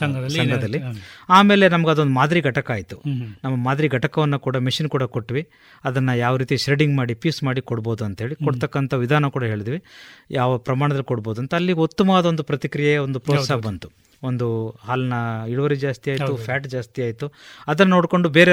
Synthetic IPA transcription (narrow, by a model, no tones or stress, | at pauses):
ɐɡɐsɐŋɡɐd̪ɐlːiaːme̞ːle̞nɐmɐɡɐd̪o̞nd̪umaːd̪ɐɾiɡʱɐʈɐkɐaːjit̪unɐmːɐmaːd̪ɐɾiɡʱɐʈɐkɐʋɐnːukuːɽɐmiʂinkuːɽɐkoʈːʋi | ɐd̪ɐnːɐjaːʋɐɾiːt̪iʃɾeɖiŋɡmaːɽipiːsmaːɽikoɽbo̞ːd̪uɐnt̪ɐɦeːɭikoɽt̪ɐkːɐnt̪ʰɐʋid̪ʱaːnɐkuːɽɐɦe̞ːɭid̪iʋijʔaːʋɐpɾɐmaːɳɐd̪ɐlːikoɽbo̞ːd̪uɐnt̪ɐːlːiot̪ːɐmɐʋaːd̪ɐo̞nd̪upɾɐt̪ikɾijeond̪upɾoːsaːbɐnt̪u̥ | o̞nd̪uɦaːlnɐiɽuʋɐɾid͡ʒaːst̪ijaːjt̪upʰaːʈd͡ʒaːst̪ijaːjit̪uɐd̪ɐnːɐno̞ːɽko̞ɳɖube̞ːɾe